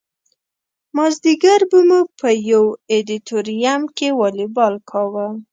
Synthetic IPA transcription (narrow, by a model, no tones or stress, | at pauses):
mɑzd̪iɡaɾbəmupʰəjawed̪it̪oɾijamkewɑlibɑlkʰɑwə